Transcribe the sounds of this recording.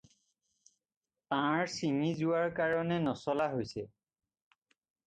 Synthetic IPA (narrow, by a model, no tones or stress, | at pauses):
tãɹsinizʊwaɹkaɹɔnɛnɔsɔlaɦojsɛ